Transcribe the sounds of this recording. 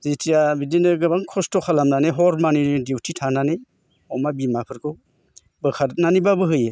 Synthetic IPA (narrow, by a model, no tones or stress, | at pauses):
zitijabidinɯɡɯbaŋkʰɔstɔkʰalamnaneɦɔɾmanidiwtʰitʰanane | ɔmabimapʰɯɾkʰɯw | bɯkʰaɾnanibabɯɦɯje